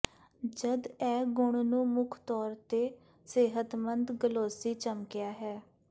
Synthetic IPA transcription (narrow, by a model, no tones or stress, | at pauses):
d͡ʒəd̪ɛːɡʊɳnũːmʊkʰt̪ɔːɾt̪eː | seːɦət̪mənd̪ɡəloːsiːt͡ʃəmkɪjaːɦɛː